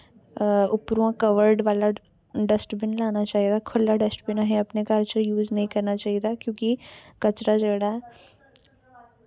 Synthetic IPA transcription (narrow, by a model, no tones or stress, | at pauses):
ʊpɾuãkəʋəɾɖʋaːla | ɖəsʈbɪnlaːnat͡ʃaːɦid̪aːkʰʊlːaɖəsʈbɪnaɦẽɐpnekəɾt͡ʃəjuːznəɦĩkɐɾnat͡ʃaːiːd̪aːkjõːkikət͡ʃɾad͡ʒeːɽaɛ